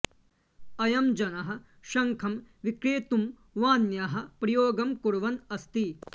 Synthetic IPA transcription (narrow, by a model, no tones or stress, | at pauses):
ɐjɐmd͡ʒɐnɐɦɐ̆ | ʃɐŋkʰɐmʋikɾeːt̪um | ʋaːnjaɦɐ̆pɾɐjoːɡɐmkuɽʋɐnɐst̪i